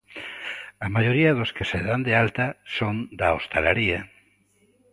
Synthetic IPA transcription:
amaʝoɾiaðoskeseðand̪ealt̪asond̪aost̪alaɾia

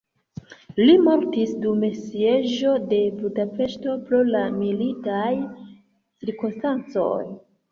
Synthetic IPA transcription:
limo̞ɾtisdume̞sie̞ʒo̞de̞budape̞ʃto̞pɾolamilitaj | t͡siɾkonstant͡so̞̰j

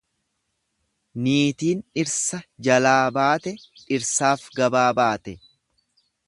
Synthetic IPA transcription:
niːt̪iːnɪɾsɐd͡ʒɐlaːbaːt̪ɛᶑɪɾsaːfɡɐbaːbaːt̪ɛ

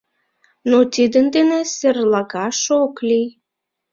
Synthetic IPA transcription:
not̪id̪ənd̪enĕserlɑɣɑʃoklʲij

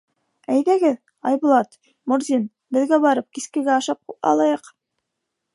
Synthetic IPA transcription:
æjðæɡɘ | ɑjbŭlˠɑt̪ | muɾzʲin | bɘ̆ðɡæbɑɾɤp̚kiskɘ̆ɡæɑʃɑp̚ɑ̰lˠɑjɤq

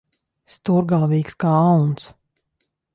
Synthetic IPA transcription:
st̪uɾɡalˠviːkskaːawns

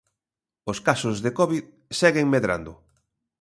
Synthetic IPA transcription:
oskasʊzðekɔβið | sɛɣeŋmeðɾa̰nd̪ʊ

